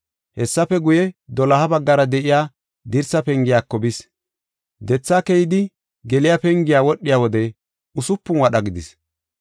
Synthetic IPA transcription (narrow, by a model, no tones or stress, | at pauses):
hɛsːɐpɛɡʊjɛd̪ɔlɐhɐbɐɡːɐɾɐd̪ɛʔɪjaː | d̪ɪɾsɐpɛŋɡɪjaːkːɔbɪs | d̪ɛt͡sːaːkɛjɪd̪ɪ | ɡɛlɪjapɛŋɡɪjaːwɔɗːɪjaːwɔd̪ɛ | ʊsʊpːʊnwɐɗɐɡɪd̪ɪs